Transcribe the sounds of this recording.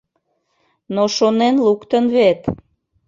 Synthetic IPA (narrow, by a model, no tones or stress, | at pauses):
noʃonenlukt̪ənβet̪